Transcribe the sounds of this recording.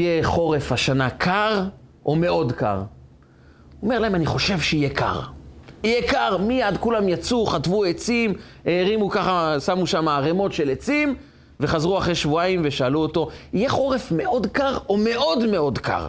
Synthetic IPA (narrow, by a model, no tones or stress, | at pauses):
jeχo̞ʁe̞fhaʃanakʰaʁʔome̞ʔo̞dka̰ʁ | oome̞ʁlaemaniχo̞ʃe̞vʃeijekʰa̰ʁijekaʁmijadkulamjat͡suχatvuet͡sim | eʁimukaχasamuʃamaːʁemo̞tʃe̞let͡sim | ve̞χazʁuaχʁejʃvuaimveʃaːluoto̞ijeχo̞ʁe̞fme̞ʔo̞dkaʁo̞me̞ʔo̞dme̞o̞dka̰ʁ